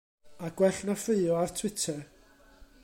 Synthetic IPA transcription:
aɡ̥wɛɬnafeɨɔartʰw̥ɪtʰɛr

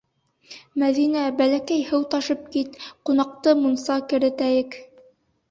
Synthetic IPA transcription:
mæðinæbælækæjhɤwt̪ɑʃɤp̚kit̪qunɑq̚t̪ɤmunsɑkɘ̆ɾɘ̆t̪æjɘk

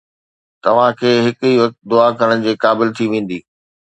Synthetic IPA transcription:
t̪ɐʋ̤ãkʰeːɦɪkʊiːʋɐk̚t̪̚d̪ʊakɐɽə̃ɪ̆d͡ʑeːkaːbɪlt̪ʰiʋẽːn̆d̪iː

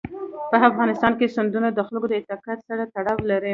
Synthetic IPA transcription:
pəafɣɑnɪst̪ɑnkesand̪unad̪əxləɡod̪əɪt̪ɑkat̪saɾat̪aɽɑwlaɾə

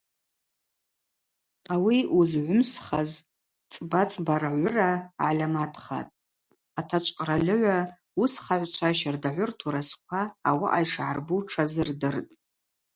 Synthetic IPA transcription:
awiuzʕʷʊmsχaz | t͡sʼbat͡sʼbaɾaʕʷʊraalʲamatʰχa̰tʼ | atʰat͡ʃʷʼqʼralʲɨʕʷa | usχaʕʷt͡ʃʷʰaʃardaʕʷʊrtʰuɾaskʷʰaːwa̰ʔajʂʕarbuʈ͡ʂʰazɨrdɨrtʼ

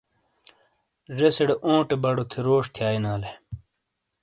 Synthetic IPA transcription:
ʐeseɽeʔõːʈebɐɽot̪ʰeɾoːʂt̪ʰjaːjnaːle

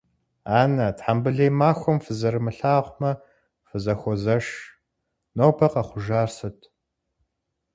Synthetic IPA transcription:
aːnɐtħambɨɮejmaːxʷɔmfɨzɐɾɨmɨɬaːʁʷmɐ | fɨzɐxʷɔzɐʂ | nowpʰɐqɐχʷʊʒaːrsɨtʰ

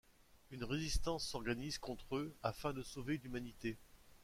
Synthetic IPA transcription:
ynʁezist̪ɑ̃sːɔʁɡanizkɔ̃t̪χøafɛ̃d̪əsoveynymanit̪e

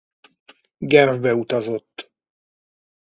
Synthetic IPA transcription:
ɡɛvbɛut̪ɒzo̞t̪ː

